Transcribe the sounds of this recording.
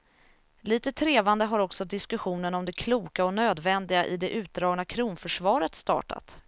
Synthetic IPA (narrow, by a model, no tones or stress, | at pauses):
liːt̪ət̪ʰɾeːvand̪əɦaɾɔksɔd̪ɪskɵɧuːnənɔmd̪ɛkʰluːkaɔnøːd̪vɛnd̪ɪɡaʔɪ̰d̪ɛʔʉ̟ːt̪̚d̪ɾɑːɡnakʰɾuːnfœʂvɑːɾət̪st̪ɑ̰ːʈa̰t̪